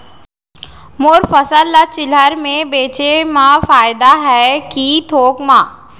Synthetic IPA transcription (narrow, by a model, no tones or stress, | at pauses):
moːɾfəsəlːat͡ʃɪləɾmẽbeːt͡ʃemãfaːɪd̪aɦɛkit̪ʰoːkmãː